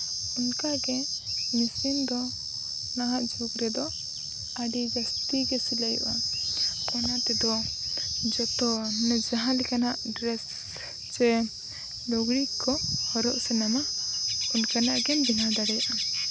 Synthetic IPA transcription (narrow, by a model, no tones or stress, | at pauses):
unkaɡɛmisind̪ɔ | naɦaʔd͡ʒuɡɾɛd̪ɔ | aɖid͡ʒast̪iɡɛsilajṵʔa | ɔnat̪ɛd̪ɔ | d͡ʒɔt̪ɔnɛd͡ʒaɦãlɛkanaʔɖɾɛs | d͡ʒɛ | lɔɡɽikːɔhɔɾɔʔsɛnamaunkanaʔɡɛnbinad̪aɽɛjaʔa